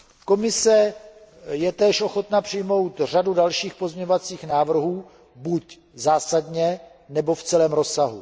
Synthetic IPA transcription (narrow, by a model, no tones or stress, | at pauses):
ko̞mɪsɛ | jɛt̪ɛːʃʔo̞xo̞t̪napr̝̥ɪjmo̞wt̪r̝adudalʃiːxpo̞zmɲɛɲovat͡siːxnaːvr̩ɦuː | buc | zaːsadɲɛ | nɛbo̞ft͡sɛlɛːmɾo̞sːaɦu